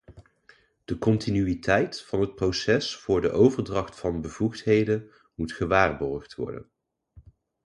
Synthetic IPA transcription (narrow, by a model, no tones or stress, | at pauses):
d̥əkɔntinyitʰɛjtfɑnɦət̚prowsɛsfʊːɹdəʔowvəɹdrɑχtfɑnbəv̥uχtɦejdən | mutχəʋaːrbɔɹχtʋɔ̰ɹdə̰n